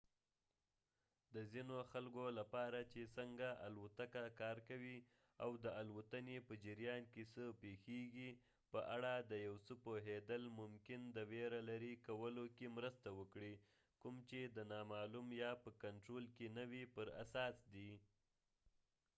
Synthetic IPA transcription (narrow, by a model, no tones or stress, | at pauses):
d̪əzinoxalkolapɑɾat͡ʃesəŋɡaʔa̰lwat̪akakɑɾkawi | awd̪əalwət̪anepəd͡ʒɪɾjɑnkesəpexeɡi | pəʔaɽad̪əjawsəpoɦed̪əlmʊmkɪnd̪əweɾalaɾikawəlokemɾəst̪awəkɽi | kumt͡ʃed̪ənɑmɑlumjɑpəkaɳʈɾolkenəwipəɾa̰sɑsd̪i